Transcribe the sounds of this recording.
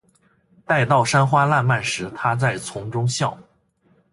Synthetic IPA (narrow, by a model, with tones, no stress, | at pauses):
t̪a˥˧ɪt̪ɑ˥˩ʊʂa˥nxwa˥la˥˧nma˥˩nʂɻ̩˧˥t̪ʰa˥t͡sa˥˩ɪt͡sʰʊ˧˥ŋʈ͡ʂʊ˥ŋɕjɑ˥˩ʊ